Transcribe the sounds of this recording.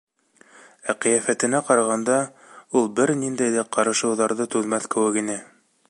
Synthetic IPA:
æqɤ̆jæfæt̪ɘ̆næqɑɾɑʁɑnd̪ɑ | ulˠbɘɾnind̪æjðæqɑɾɤ̆ʃɤ̆wðɑɾðɤt̪ʉðmæθkɘ̆wɘ̆kinɘ

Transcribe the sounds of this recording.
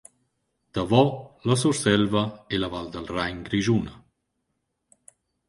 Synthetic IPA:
d̪̥avɔlas̬uɾsɛlvaelavald̪əlrajɲɡɾiʒunə

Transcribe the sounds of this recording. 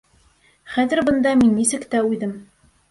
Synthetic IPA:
χæðɘ̆ɾbɤ̆nd̪ɑminːisɘ̆kt̪æʉjðɘm

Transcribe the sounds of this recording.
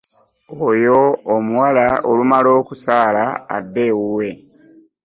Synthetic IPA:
ojo̞ːmuwalaolumalo̞ːkusaːlaa̰dːe̞ːwuwe̞

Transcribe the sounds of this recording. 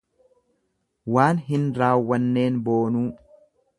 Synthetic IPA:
waːnɦɪnɾaːwːɐnːe̞ːnbo̞ːnuː

